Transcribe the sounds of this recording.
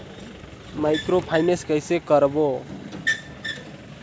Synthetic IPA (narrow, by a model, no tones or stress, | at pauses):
majkɾopʰajneskʌjsekʌɾbo